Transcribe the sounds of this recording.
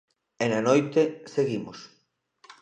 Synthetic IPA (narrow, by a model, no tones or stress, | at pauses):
enanojt̪eseɣimos